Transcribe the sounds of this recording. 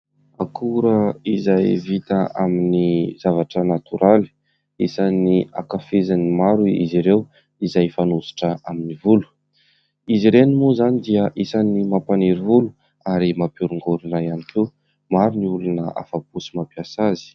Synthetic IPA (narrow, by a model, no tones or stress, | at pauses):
akʰuɾəizajvit̪əaminizavaʈ͡ʂənat̪uɾʔali̥ | isania̰kafezanimaɾuḭziɾew | izajfanuzu̥ʈ͡ʂəʔaminivulu̥ | iziɾenimuzanid̪iəʔisanimapaneɾivulu | aɾimapuɾuŋɡuɾunrajanikʰe | maɾuniulunəa̰fapusi̥mapiasazi̥